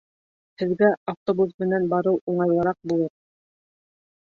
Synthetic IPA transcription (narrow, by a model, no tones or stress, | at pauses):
hɘ̆ðɡæaft̪obuzmɘ̆nænbɑɾɤwuɴɑjlˠɤ̆ɾɑq̚bulˠɤɾ